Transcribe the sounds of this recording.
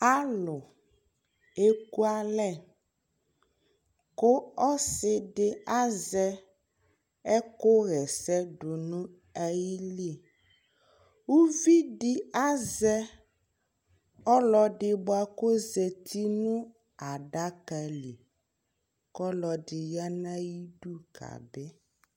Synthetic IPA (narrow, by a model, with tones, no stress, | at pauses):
a˦lo˨ | e˦ku˦a˦lɛ˦˨ | ko˦ɔ˦sɪ˨ɖe˨a˦zɛ˦ | ɛ˦ko˦ɣɛ˨sɛ˦ɖo˨nũ˦ | ɛ˦ji˦li˦˨ | wu˦vi˦ɖɪ˦a˦zɛ˦ | ɔ˦lɔ˦ɖɪ˨bo˦a˨ko˦zɛ˨t̪ʰi˦nũ˦ | a˨ɖa˦ka˨li˨ | kɔ˦lɔ˨ɖɪ˨ja˦nã˦ji˦ɖu˦ka̰˨bɛ˦